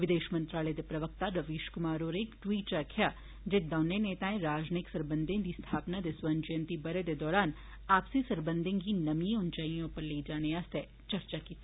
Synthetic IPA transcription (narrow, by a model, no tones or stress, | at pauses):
ʋɪd̪eːʃmɐ̃nt̪ɾaːled̪epɾɐʋək̚t̪aɾɐʋeːʃkʊmaːɾoːɾeːkʈwiːʈt͡ʃakʰja | d͡ʒed̪aʊneneːt̪aːẽɾaːd͡ʒniksɐɾbə̃nd̪ʱẽd̪ist̪ʰaːpnad̪esʋand͡ʒəjə̃nt̪ibɐɾed̪ed̪ɔːɾaːn | aːpsesɐɾbə̃nd̪ʱẽŋɡinɐmiẽʊnt͡ʃaijõpɐɾleid͡ʒaːneaːst̪ʰe | t͡ʃɐɾt͡ʃakiːt̪ː